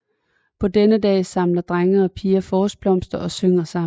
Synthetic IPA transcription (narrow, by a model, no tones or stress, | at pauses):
pʰɒ̽d̥enəd̥ɛ̰ːsɑ̈mlɐd̥ʁaŋɐːpʰiːɐfɒːsb̥lɒ̽m̰sd̥ɐʔɒ̽søŋ̰ɐsɑ̈